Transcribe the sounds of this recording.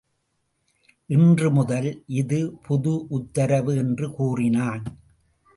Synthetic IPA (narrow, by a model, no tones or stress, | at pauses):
ʔɪndrɯmʊðɐlʔɪðɯpʰʊðʊʔʊt̪ːɐɾɐʋɯɛndrɯkuːrɪnaːn